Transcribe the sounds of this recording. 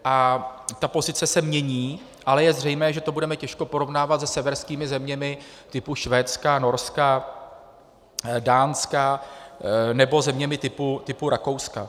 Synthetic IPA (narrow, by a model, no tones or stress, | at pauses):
ʔat̪apo̞zɪt͡sɛsɛmɲɛɲiː | ʔalɛjɛzr̝ɛjmɛːʒɛt̪o̞budɛmɛcɛʃko̞po̞ɾo̞vnaːvat̪zɛsɛvɛɾskiːmɪzɛmɲɛmɪ | t̪ɪpuʃvɛːt͡skano̞ɾska | daːnska | nɛbo̞zɛmɲɛmɪt̪ɪput̪ɪpuɾako̞wska